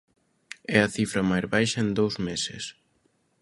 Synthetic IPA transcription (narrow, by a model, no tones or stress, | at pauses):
ɛɐθifɾɐmajzβajʃɐend̪owzmesɪ̰s